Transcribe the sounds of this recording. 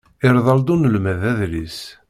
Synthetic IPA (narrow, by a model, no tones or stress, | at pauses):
ɪɾðˤɑld̪unəlmæðæðɾis